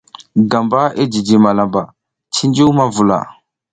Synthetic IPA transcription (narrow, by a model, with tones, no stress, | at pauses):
ɡa˨mba˦e˦d͡ʒi˨d͡ʒi˨ma˨la˨mba˨ | t͡ʃi˦nd͡ʒi˦wma˦vu˨la̰˨